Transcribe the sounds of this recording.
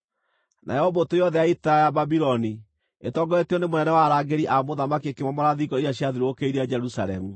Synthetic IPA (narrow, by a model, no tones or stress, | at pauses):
na̰jɛhɔbɔtojɔðɛjaitaajababiɾɔni | etɔːɡɔeteɔnemonɛnɛwaɾaːɡeɾiʔamoðamakiekemwamɔɾaðiɡɔijaɕjaðiɾookeiɾead͡ʒɛɾusa̰ɾɛmu